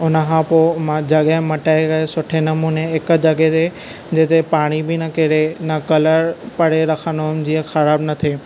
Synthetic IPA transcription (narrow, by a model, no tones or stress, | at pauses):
ʊnəkʰãːpomãd͡ʑɐɠəɦmɐʈaːekɐesʊʈʰenɐmuːneɦɪk̆d͡ʑɐɠet̪e | d͡ʑeːt̪epaːɽ̃ibɪnɐkeɾenɐkɐləɾpɐɽ̤eɾɐkʰənʊd͡ʑiəxɐɾaːbnɐt̪ʰeː